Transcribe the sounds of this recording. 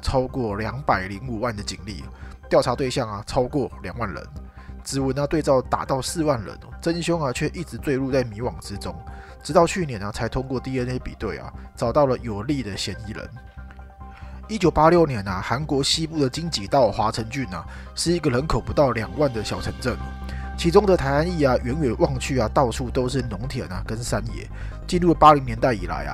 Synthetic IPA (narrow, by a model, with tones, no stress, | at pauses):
t͡sʰɑ˥ʊkwɔ˥˩ljɑ˧˥ŋpa˨˩ɪli˧˥ŋu˨˩wa˥˩nd̪ə˩t͡ɕḭ˨˩ŋlḭ˥˩t̪jɑ˥˩ʊa˧˥t̪we˥˧ɪɕjɑ˥˩ŋɐ˩t͡sʰɑ˥ʊkwɔ˥˩ljɑ˨˩ŋwa˥˩nɻə̰˧˦n | t͡sɻ̩˨˩wə˨˥nɐ˧t̪we˥˧ɪt͡sɑ˥˩ʊt̪a̰˨˩t̪ɑ˥˧ʊsɹ̩˥˧wa˥˩nɻə̰˧˦nʈ͡ʂə˦nɕjʊ˥ŋɐ˨t͡ɕʰɥɛ˥˧ʔi˥˩ʈ͡ʂɻ̩˧˥t͡swe˥˧lu˥˧t͡sa˥˩ɪmi˧˥wɑ˨˩ŋʈ͡ʂɻ̩˦˥t͡sʊ˥ŋʈ͡ʂɻ̩˧t̪ɑ˥˧ʊt͡ɕʰy˥˩njɛ˨˧˦nɐ˨t͡sʰa˧˥ɪt̪ʰʊ˥ŋkwɔ˥˧t̪i˥˧ə˦ne˥ɪpḭ˨˩t̪we˥˩ɪɐ̰˩t͡sɑ˨˩ʊt̪ɑ˥˩ʊlə˨˩jo˨˩ʊli˥˩d̪ə˨ɕjɛ˧˥ni˧˥lə̰˧˦n | i˥t͡ɕjo˨˩ʊpa˦˥ljo˥˩ʊnjɛ˧˦nɐ˨xa˧˦˥nkwɔ˧˥ɕi˥pu˥˩d̪ə˩t͡ɕi˥ŋt͡ɕi˨˩t̪ɑ˥˩ʊxwa˧˥t͡sʰə˧˥nt͡ɕy˥˩nɐ̰˩ | ʂɻ̩˥˩i˧˥ɡə˨lə˧˦nkʰo˨˩ʊpu˧˦t̪ɑ˥˩ʊljɑ˨˩ŋwa˥˩nd̪ə˩ɕjɑ˨˩ʊʈ͡ʂʰə˧˥˦ŋʈ͡ʂə˥˩ŋ | t͡ɕʰi˧˥ʈ͡ʂʊ˥ŋd̪ə˨t̪ʰa˧˥ɪa˥˦ni˥˩ɐ˨ɥɛ˧˦˥nɥɛ˨˩nwɑ˥˧ŋt͡ɕʰy˥˩ɐ˩t̪ɑ˥˧ʊʂʰu˥˩t̪o˥ʊʂ̬ɻ̩˥˩nʊ˧˥ŋt̪ʰjɛ̰˨˩˦nɐ˩kə˦nsa˥njɛ̰˨˧˦ | t͡ɕi˥˧nɻu˥˩pa˥li˧˥ŋnjɛ˧˦nt̪a˥˩ɪi˨˩la̰˧˦ɪɐ̰˦